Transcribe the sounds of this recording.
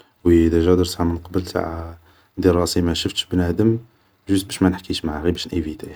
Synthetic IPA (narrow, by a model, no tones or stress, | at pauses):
wəd̪æʒæd̪əɾsaʕamənqɑbəlt̪a̰ʕa | d̪əɾˤɑsimæʃəft̪ʃbnæd̪əm | ʒust̪bæʃmænəħkiʃmaʕaɣibæʃnʔivit̪æ